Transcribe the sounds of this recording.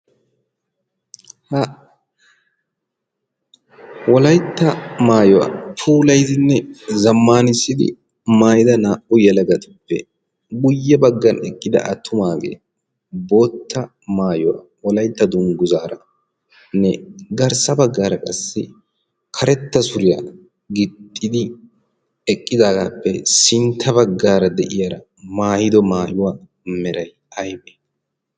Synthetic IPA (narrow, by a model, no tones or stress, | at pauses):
hɐ | wɔlɐjt̪ːɐmaːjɔwa̰fuːlɐjt̪ɪnːɛzɐmːaːnɪsːɪd̪ɪ̰ | maːjɪd̪ɐnaːʔʊjɛlɐɡɐt̪ʊpːɛ | ɡʊjːɛbɐɡːɐnɛkʼːɪd̪ɐ̰ʔɐt̪ːʊmaːɡḛː | bo̞ːt̪ːɐ | maːjʊwa̰ː | ɔlɐjt̪ːɐd̪ʊŋɡʊzaːɾɐ | nɛɡɐɾsɐbɐɡːaːɾɐkʼɐsːɪ | kʰɐɾɛt̪ːɐsʊɾɪjaː | ɡɪt̪ʼːɪd̪ɪ | ɛkʼːɪd̪aːɡaːpːɛsɪnt̪ʰːɐbɐɡːaːɾɐd̪ɛʔɪjaɾɐ | maːjɪd̪ɔmaːjʊwaː | mɛɾɐj | ɐjbeː